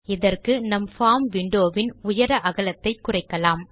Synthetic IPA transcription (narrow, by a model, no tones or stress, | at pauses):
ɪðɐrkɯnɐmfaːmʋɪɳɖoːʋɪnʊjɐɾɐʔɐɣɐɭɐt̪ːɐɪkːʊrɐɪkːɐlaːm